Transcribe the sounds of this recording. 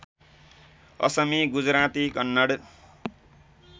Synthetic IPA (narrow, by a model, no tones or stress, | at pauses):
ʌ̰sʌmiɡud͡zɾat̪ikʌnːʌɽ